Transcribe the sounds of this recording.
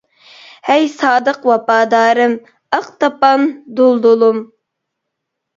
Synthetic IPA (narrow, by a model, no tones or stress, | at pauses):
hɛjsɑːd̪əqwɑpɑːd̪ɑːɾɨm | əqt̪ɑpɑnd̪olˠd̪ulˠum